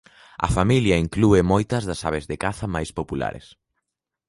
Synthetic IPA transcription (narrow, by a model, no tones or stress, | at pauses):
ɐ̰familjɐiŋkluemojt̪ɐzðɐsaβ̞ezðekaθɐmajspopula̰ɾḛs